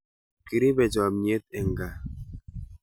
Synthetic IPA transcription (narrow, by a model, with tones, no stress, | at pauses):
ki˨ɾi˦bɛ˨d͡ʒɔ˨mɲe˦t̪̚ɛ˨ŋ˨ɡa˨